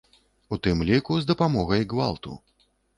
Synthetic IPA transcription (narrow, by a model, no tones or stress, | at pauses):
ut̪ɨmlʲikuzd̪ɐpamɔɣɐjɡva̰lˠt̪ṵ